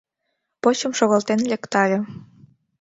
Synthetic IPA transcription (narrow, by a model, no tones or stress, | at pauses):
pot͡ɕəmʃoɣɑlt̪enlʲekt̪ɑlʲe